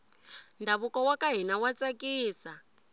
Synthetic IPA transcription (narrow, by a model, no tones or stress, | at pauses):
ndaβukɔwakaɦinawat͡sakʼiːsa